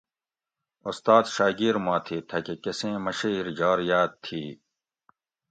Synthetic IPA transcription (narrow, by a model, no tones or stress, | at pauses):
ust̪aːd̪ɕaːɡiːɾmaːt̪ʰiːt̪ʰɐkekɐsẽːmɐɕiiɾd͡ʑaːɾjaːt̪̚t̪ʰːiː